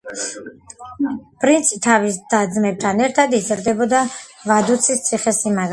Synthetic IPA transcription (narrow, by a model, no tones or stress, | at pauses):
pʼɾint̪sʰit̪ʰavisd̪̥ad̪zmɛb̚t̪ʰanɛɾt̪ʰad̪izɾd̪ɛbɔd̪avad̪ut̪sʰist̪sʼʰiχɛsimaɡ